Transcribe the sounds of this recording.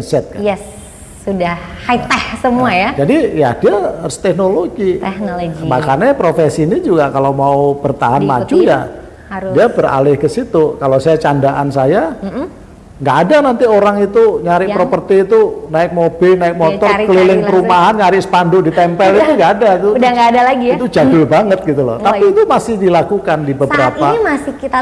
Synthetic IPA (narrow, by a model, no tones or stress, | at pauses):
nsɛt̪̚kaɛsː | udahhait̪ɛhsəmuajad͡ʒadijadiast̪ɛknoloɡiɛnɡimahkanɛpɾofesinid͡ʒuɡakalamaub̥ərt̪aɦanmad͡ʒuja̰ | diabəra̰lɪhkəsit̪ukalosajat͡ʃandaʔansaja | ŋɡaʔːdanant̪ioɾaŋit̪uɲaɾɪkpɾopərt̪iːt̪unaɪk̚mob̥ɪlnaɪk̚mot̪ɔrəlilɪŋəɾumaɦanɲaɾɪʔsə̥pandʊʔdit̪ɛmpɛlit̪uŋɡaʔːdat̪udaɡadalaɡit̪ud͡ʒadʊbaŋət̪̚ɡit̪ulɔ̰ht̪apiːt̪umasɪhdilakukandibəbəɾapaimasɪkia